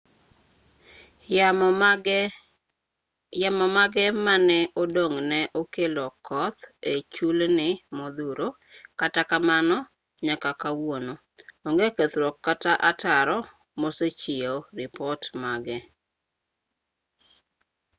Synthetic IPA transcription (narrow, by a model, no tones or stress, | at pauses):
jamɔmaɡɛmanɛodoŋnɛʔokelɔkɔt̪et͡ʃulnɪmod̪uɾo | katakamanɔ | ɲakakawono | oŋɡeket̪ɾɔkːataʔataɾɔ | moset͡ʃɪoɾɪpɔtmaɡɛ